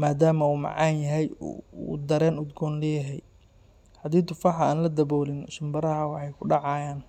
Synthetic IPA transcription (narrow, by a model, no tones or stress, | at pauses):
maːd̪aːmɐuːmɑ̰ʕɑːnjɐɦɛjṵːd̪ɐɾɛːnʊd̪ɡɔːnlɛjɐɦɛj | ħɑd̪iːt̪ʊfɑħɑaːnlɐd̪ɐbɔːlɪnʃɪmbɐɾɐɦɐwɑħɑjkʰʊɖɑʕɑːjaːn